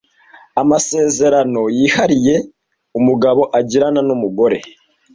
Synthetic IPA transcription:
amase̞ːze̞ɾano̞jiːhaɾije̞ | umuɡaβo̞ʔaɟiɾananumuɡo̞ɾe̞̰

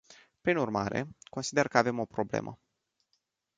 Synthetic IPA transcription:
pɾinurmaɾe̞ko̞nsid̪e̞rkəave̞mo̞pɾo̞blḛmʔə̰

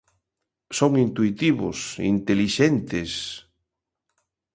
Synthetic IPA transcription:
soŋint̪uit̪iβʊ̰sḭnt̪eliʃent̪es

